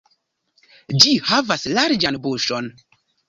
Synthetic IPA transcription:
d͡ʒihavaslaɾd͡ʒanboʃon

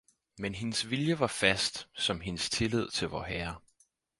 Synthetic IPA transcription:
menɦe̝nəsʋiljəʋɑ̈fæsd̥sɒ̽mɦe̝nəst͡sʰe̝leð̞̰ˠt͡sʰe̝lʋɒ̰ːɦæɐ

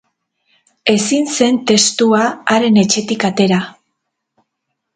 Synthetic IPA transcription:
e̞sinse̞nt̪e̞st̪uaaɾe̞ne̞t͡ʃe̞t̪ikat̪e̞ɾa

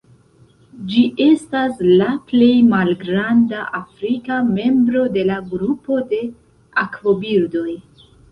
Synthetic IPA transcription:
d͡ʒiʔe̞staslaple̞jmalɡɾandaʔafɾikame̞mbɾo̞de̞laɡɾupo̞de̞ | akvo̞biɾdo̞j

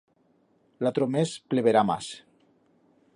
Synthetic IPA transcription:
lat̪ɾomespleβeɾama̰s

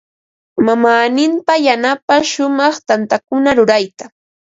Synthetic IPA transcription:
mamaːnɪmpajanapaʃʊmɑχt̪ant̪akʊnaɾʊɾajt̪ḁ

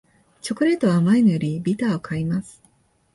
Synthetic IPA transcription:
t͡ɕo̞kɯ̟ɾe̞t̪o̞βamainojoɾʲibʲit̪aːo̞kʰaimasɨ̥

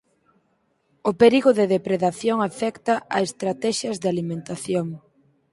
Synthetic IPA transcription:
ʊpeɾiɣoðeðepɾeðaθjoŋafɛkt̪aʔaest̪ɾat̪ɛʃɐzðalimẽnt̪aθjoŋ

